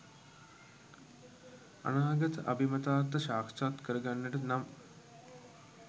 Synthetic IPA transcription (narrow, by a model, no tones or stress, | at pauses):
a̰naːɡət̪əʔabimɐt̪aːrt̪əʃaːkt͡ʃaːt̪kəɾəɡanːəʈənam